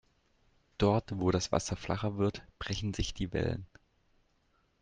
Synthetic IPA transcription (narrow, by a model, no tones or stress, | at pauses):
d̥ɔɐtv̥oːɾasv̥a̰sɐflʔa̰χɐvɪɐtb̥ʁɛçn̩zɪçd̥iːvɛ̰lə̰n